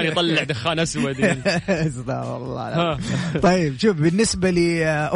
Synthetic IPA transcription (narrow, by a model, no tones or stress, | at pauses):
njt̪ˤɑlːɪʕd̪axːaːnʔaswwad̪nzt̪ɑ̰ɾˤɑ̰ɑ̰lˤːɑ̰ːlaat̪ˤɑjːɪbʃuːfbɪnːɪsbaliʔ